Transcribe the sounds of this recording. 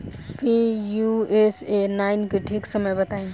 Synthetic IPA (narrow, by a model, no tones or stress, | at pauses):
pijuesenaɪnkeʈʰiksəməjbət̪aĩ